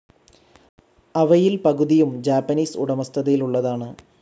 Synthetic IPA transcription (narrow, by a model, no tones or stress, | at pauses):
ɐʋɐjilpɐɣuðijumd͡ʑaːpːɐniːsuɽɐmɐst̪ʰɐðɐjiluɭːɐðaːɳɨ